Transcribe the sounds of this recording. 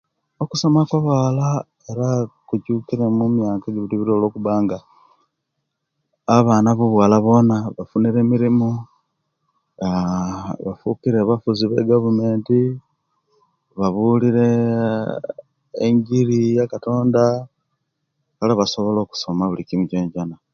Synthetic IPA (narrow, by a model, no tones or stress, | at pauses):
okuso̞makwaβaːla | eɾakucukiɾemumjaːkeɡiβiɾiβiɾolo̞ːkuβaːŋɡa | aβaːnaβuβwaːlaβo̞naβafuniɾe̞ːmiɾimu | βafukiɾeβafuziβe̞̰ɡavume̞ːnti | βaβuliɾe̞ | ŋɡiɾijakato̞ːnda | kalaβasoβo̞lo̞ːku̥so̞maβulikimuɟeːɲɟana